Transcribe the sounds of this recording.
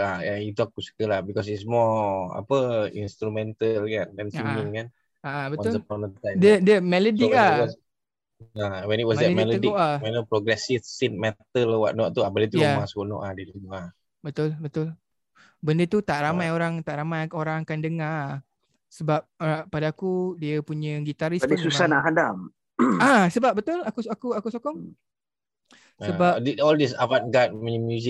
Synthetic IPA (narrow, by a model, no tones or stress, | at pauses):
ajait̪uakusə̥kəlahbikɔs̬ismɔa̰pəḭnst̪ɾumɛnt̪əlkanɛnsimiŋkan | aʔabətɔʊzəpɔnənt̪adədəmɛlodik̚awɔs | awɛ̃nit̚wɔsdɛmɛlodawɛnopɾoɡɾɛsifsin̚mɛt̪əlwa̰ʔnɔʔt̪uabədət̪ujamasʊʔnɔ̰ʔadidunuʔa | bət̪ʊlbət̪ʊl | bəndət̪ut̪aʔɾamajoɾaŋt̪aʔɾamajoɾaŋakandəŋa | səbap̚padaːkudiəpuɲə̃ɡit̪aɾisadisusanaʔɦadam | asəbap̚bət̪ʊlakuakuakusɔkɔŋ | səbadiɔldis̬avat̚ɡat̚miimjuzi